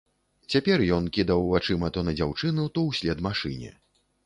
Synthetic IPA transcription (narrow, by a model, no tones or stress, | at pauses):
t͡sʲapʲɛrjɔnkʲid̪ɐwvat͡ʂɨmɐt̪ɔnɐd͡zʲawt͡ʂɨnut̪ɔwsʲlʲɛd̪maʂɨnʲɛ̰